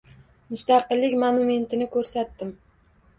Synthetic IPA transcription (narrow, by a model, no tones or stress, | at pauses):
mʊst̪ɑqɨlːɪkʲmanʊme̞nt̪ʰɪnɪkʰɵɾsat̪ːɪm